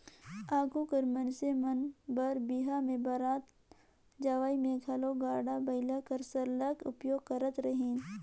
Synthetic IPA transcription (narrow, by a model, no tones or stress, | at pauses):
aːɡukəɾmɐnsemɐnbɐɾbiɦamẽbɐɾaːt̪ | d͡ʒaʋaːimẽɡʱɐloɡaːɖabɐɪlakɐɾsɐɾlɐkʊ̰pjoːɡ̚kəɾət̪ɾəɦĩːn